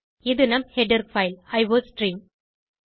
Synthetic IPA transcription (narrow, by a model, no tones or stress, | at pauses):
ɪðɯnɐmhɛɖɐɾfɐɪlɐɪʋoːsʈɾiːm